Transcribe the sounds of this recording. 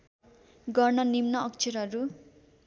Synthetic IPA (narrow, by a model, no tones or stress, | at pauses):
ɡʌrnʌnimnʌːk̚t͡sʰeɾɦʌɾu